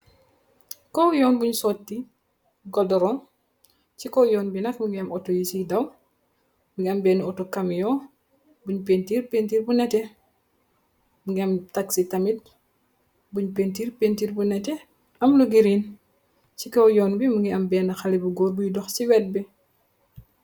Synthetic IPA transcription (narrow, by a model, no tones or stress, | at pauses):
kɔwjɔːnbuɲsɔtːi | ɡɔdɔɾɔm | cikɔwjɔːnbinɐkmuŋɡiɐmɔtɔjisidɐw | muŋɡiɐmbɛːniɔtɔkɐmjɔː | buɲpentiːrpentiːrbunɛtɛ | muŋɡiɐmtaksitɐmit̚ | buɲpeːntiːrpentiːɾbunɛtɛ | ɐmluɡiɾiːn | t͡ʃikɔwjɔːnbimuŋɡiɐmbɛːnɐxɐlibuɡɔːɾbujidɔxsiwɛt̚bi